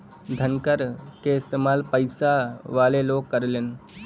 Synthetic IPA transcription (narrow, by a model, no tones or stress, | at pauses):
d̪ʱənkəɾkeɪst̪eːmaːlpəɪsaʋaːleloːɡ̚kːəɾleːn